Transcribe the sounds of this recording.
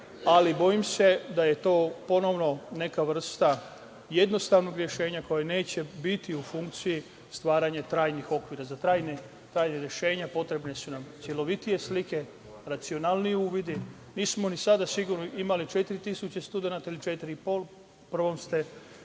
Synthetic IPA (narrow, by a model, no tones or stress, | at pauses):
alibo̞imse̞d̪aje̞t̪o̞ːpo̞no̞ʋno̞ne̞kaʋr̩st̪a | je̞d̪nost̪aʋno̞ɡɾje̞ʃe̞ːɲako̞jane̞ːt͡ɕe̞bit̪iufuŋk̚t̪siji | st̪ʋaːɾaɲat̪ɾaːjnixo̞kʋiːɾazat̪ɾaːjne | t̪ɾaːjneɾje̞ʃe̞ːɲapo̞t̪ɾe̞bne̞sunamt̪sʲjelo̞ʋit̪ije̞slike̞ | ɾat̪sio̞naːlˠnijeuːʋid̪i | niːsmo̞nisad̪asiɡuɾnoʔimalit͡ʃe̞t̪iɾit̪isut͡ɕest̪ud̪enat̪ailit͡ʃe̞t̪iɾiipol | pr̩ʋo̞mst̪e